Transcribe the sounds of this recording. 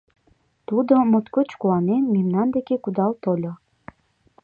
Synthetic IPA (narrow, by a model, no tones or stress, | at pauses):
t̪ud̪omot̪kot͡ɕkuɑnenmemnɑnd̪ekekud̪ɑlt̪olʲo